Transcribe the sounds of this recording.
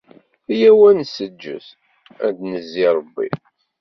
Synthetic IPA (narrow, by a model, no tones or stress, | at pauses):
jæwænsəd͡ʒːə̰θ | æ̰d̪nəzːiɾˤəbːḭ